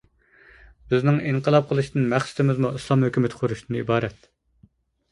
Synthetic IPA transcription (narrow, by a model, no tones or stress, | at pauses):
bɪznɪŋiŋqəlˠɑp̚qʰəlˠɨʃt̪ɨnmæχsɪ̥t̪ʰɪmɪzmuislˠɑmhøkʲymɪt̪ʰqʰʊɾuʃt̪ʰɨnɨibɑːɾɛt̪